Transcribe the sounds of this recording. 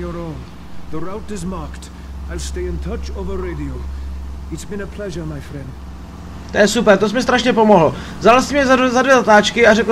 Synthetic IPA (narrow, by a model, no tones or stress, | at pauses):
əɹõʊ̃n | ðəɹaʊtɨzmɑɹkt | aɪlˠsteɪɨ̃ntʰʌt͡ʃovəɹeɪdioʊɨtsb̥ɨ̃nəpʰlɛʒə˞maɪfɹɛ̃nd̥ | t̪ojɛsupɛɾt̪os̬mɪst̪ɾaʃɲɛpo̞mo̞ɦl̩ | vzalsɪmɲɛzazadvjɛzat̪aːt͡ʃkɪaɾɛk